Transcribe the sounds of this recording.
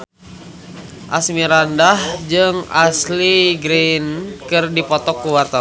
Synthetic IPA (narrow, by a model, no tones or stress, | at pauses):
ʔasmiɾandahd͡ʒɨŋasliɡɾenkɨrdipɔt̪ɔkːuwart̪a